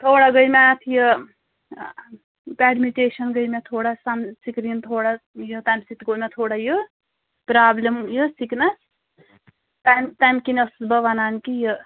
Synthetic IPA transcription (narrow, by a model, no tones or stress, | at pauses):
t̪ʰoːɽaɡəjmat̪ʰjə | paːɖmiʈeːʃɐnɡəjmet̪ʰoːɽasamsikɾint̪ʰoːɽajət̪ajmsit̪ɡomet̪ʰoːɽajə | pɾaːblemjəsiknɐs | t̪amt̪amkinɐsbɐʋanaːnkijə